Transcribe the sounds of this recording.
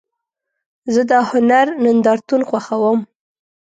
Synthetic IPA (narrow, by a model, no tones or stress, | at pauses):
zəd̪ɑhʊnaɾnɪnd̪ɑɾt̪unxwaxawəm